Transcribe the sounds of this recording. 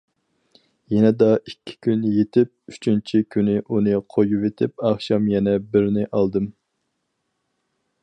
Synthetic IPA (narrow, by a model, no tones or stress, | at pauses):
jɛnɛd̪ɑʔikʲʰːi̥kʲʰynjet̪ʰɪp̚yt͡ʃʰynt͡ʃʰikʲʰynɪʔunɨqʰojuvet̪ʰɪp̚ɑχʃɑmjɛnɛbɪɾnɪʔɑlˠd̪ɨm